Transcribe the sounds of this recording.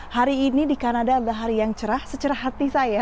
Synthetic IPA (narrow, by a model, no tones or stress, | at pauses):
haɾiːnidikanadadalaɦaɾijaŋt͡ʃəɾahsət͡ʃəɾahat̪isaja